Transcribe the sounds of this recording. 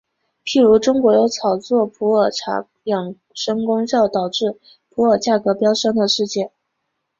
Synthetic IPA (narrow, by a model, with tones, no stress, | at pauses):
pʰi˥˩ɻu˧˥ʈ͡ʂʊ˥ŋkwɔ˧˥jo˧˥ʊt͡sʰɑ˨˩ʊt͡swɔ˥˩pʰu˧˥ə˞˨˩ʈ͡ʂʰa̰˧˥ | jɑ˨˩ŋ | ʂə˥ŋkʊ˥ŋɕjɑ˥˩ʊt̪ɑ˨˩ʊʈ͡ʂɻ̩˥˩ | pʰu˧˥ə˞˨˩t͡ɕja˥˩kɤ˧˥pjɑ˥ʊʂə˥ŋd̪ə˨ʂɻ̩˥˧t͡ɕjɛ˥˩n